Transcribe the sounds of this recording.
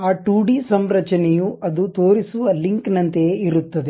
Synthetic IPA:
aːʈuːɖiːsɐmɾɐt͡ʃɐnɛjuɐd̪ut̪o̞ːɾisuʋɐliŋknɐnt̪eiɾut̪ːɐd̪e

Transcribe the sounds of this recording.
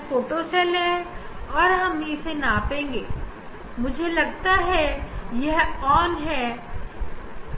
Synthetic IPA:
foːʈõselẽɔːɾɦɐmisenaːpẽːŋɡeː | mʊd͡ʒʱelɐɡ̚t̪aɦɛjɐɦɔːnɦɛː

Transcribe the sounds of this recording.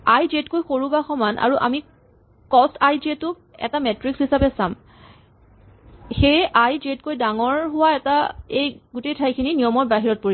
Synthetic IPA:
ajzetkojxoɹubaxɔmanʔa̰ɹuʔa̰mi | kɔstajzietʊkɛ̰tamɛtɹiksɦisapɛsam | xejajzetkojdaŋɔɹɦʊwaɛtaejɡutejtʰajkʰininijɔmɔt̚baɦiɹɔt̚poɹi

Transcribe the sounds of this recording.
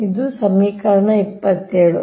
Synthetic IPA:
id̪usɐmiːkɐɾɐɳɐipːɐt̪ːeːɽṵ

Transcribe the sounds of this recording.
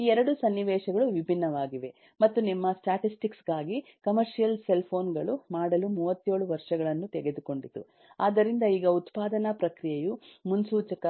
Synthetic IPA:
iːɛɾɐɽusɐnːiʋɛːʃɐɡɐɭuʋibʱinːɐʋaːɡiʋe̞ | mɐt̪ːunimːɐsʈaːʈisʈiksɡaːɡi | kɐmɐɾʂijɐlselpʰo̞ːnɡɐɭumaːɽɐlumuːʋɐt̪ːjeːɭuʋɐɾʂɐɡɐɭɐnːut̪ɛɡe̞d̪uko̞ɳɖid̪u | aːd̪ɐɾind̪ɐiːɡɐut̪paːd̪ɐnɐpɾɐkɾijejumunsuːt͡ʃɐkɐ

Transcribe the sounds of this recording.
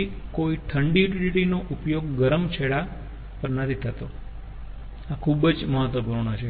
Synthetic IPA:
ikoiʈʰəɳɖiʈiɖiʈinoʔupjoɡːəɾəmt͡ʃʰeɭa | pəɾnət̪ʰit̪ʰət̪o | akʰubd͡ʒməɦət̪ʋəbʱəɾnat͡ʃʰe

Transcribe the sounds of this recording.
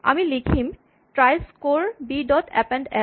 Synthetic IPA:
a̰milikʰim | ʈɹajskoɹbiɖɔtʰɛ̰pɛnɖɛ

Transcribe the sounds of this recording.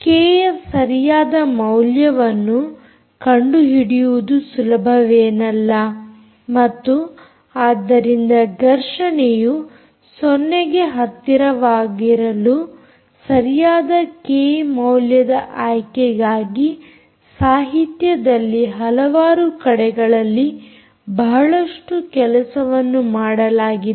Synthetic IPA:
keːjɐsɐɾijaːd̪ɐmɐwljɐʋɐnːu | kɐɳɖuɦiɽijuʋud̪usulɐbʱɐʋeːnɐlːɐ | mɐt̪ːu | aːd̪ːɐɾind̪ɐd̪ɐɾʂɐɳeju | sɔnːeɡe̞ɦɐt̪ːiɾɐʋaːɡiɾɐlu | sɐɾijaːd̪ɐkeːmɐwljɐd̪ɐʔaːjkɛɡaːɡi | saːɦit̪jɐd̪ɐlːiɦɐlɐʋaːɾukɐɽɛɡɐɭɐlːi | bɐɦɐɭɐʂʈukɛlɐsɐʋɐnːumaːɽɐlaːɡid̪

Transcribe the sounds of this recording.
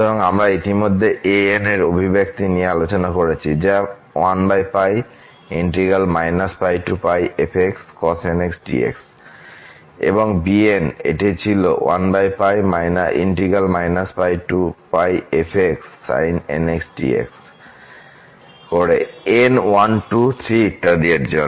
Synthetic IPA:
oŋamɾait̪imod̪ʱːeʔeeneɾobʱibek̚t̪iniealot͡ɕonakoɾet͡ɕʰid͡ʑa | wanbajpaj | iɳʈiɡalmajnaspajʈupajʔepʰekskɔseneksʈḭḛks | ḛboŋbienḛʈet͡ɕʰilo̰wa̰nbajpajmajna̰ʔḭɳʈiɡalmajnaspajʈupajepʰeksːa̰jnḛneksɖḭḛks | koɾeenwanʈut̪ʰɾiʈad̪ieɾd͡ʑon

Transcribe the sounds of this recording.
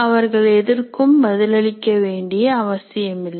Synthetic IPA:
ɐʋɐɾɣɐɭɛðɪrkɯmbɐðɪlɐɭɪkːɐʋeːɳɖɪjɐːʋɐsɪjɐmɪlːɐ

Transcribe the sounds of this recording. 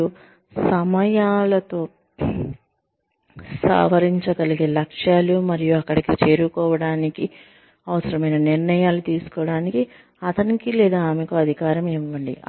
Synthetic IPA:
u | sɐmɐjaːlɐt̪o̞ː | sa̰ːʋɐɾiɲt͡ʃɐɡɐliɡelɐkʂjaːlumɐɾijuɐkːɐɽikit͡ʃe̞ːɾukɔːʋɐɽaːniki | ɐʋɐsɐɾɐmɐjnɐniɾɳɐjaːlut̪iːsu̥kɔːʋɐɽaːniki | ɐt̪ɐnikilɛːd̪aːaːmekuɐd̪ʱikaːɾɐmiʋːɐɳɖḭ

